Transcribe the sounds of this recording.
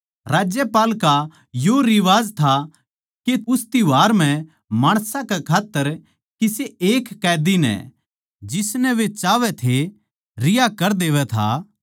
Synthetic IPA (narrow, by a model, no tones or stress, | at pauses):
ɾaːd͡ʒjepaːlka | joɾɪʋaːzt̪ʰa | keʊst̪iʋaːɾm̤ɛ̃ | maːɽ̃sãkɛkʰaːt̪ːəɾ | kɪseeːkːɛːd̪inɛ̰ | d͡ʒɪsnɛʋet͡ʃaːʋɛt̪ʰe | ɾɪjakɐɾd̪eːʋɛt̪ʰa̰